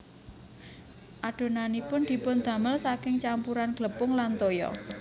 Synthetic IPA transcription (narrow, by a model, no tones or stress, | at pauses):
ʔaɖ̥o̤nanipʊnd̪̥i̤pʊnd̪̥a̤məlsakɪŋt͡ʃampuɾanɡ̥ləpʊŋlant̪ojɔ̰